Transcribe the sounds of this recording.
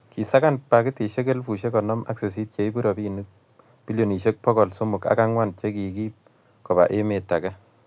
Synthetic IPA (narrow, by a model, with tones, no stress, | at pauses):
ki˨sa˦ka˦npa˨ki˦ti˨ʃe˦ke˦lfu˨ʃe˦kɔ˨nɔ˦mʔa̰˦kse˨s̬i˦t̚t͡ʃe˨i˦bu˦ɾɔ˨pi˦nu˦k̚ | pi˦ljo˨ni˨ʃe˦k̚pɔ˦kɔ˨lsu˦mʊ˨ka̰˦ka˦ŋwa˦nt͡ʃe˦ki˨ki˦p̚ | kɔ˨ba̰˨ʔe˦me˨ta˨kɛ˦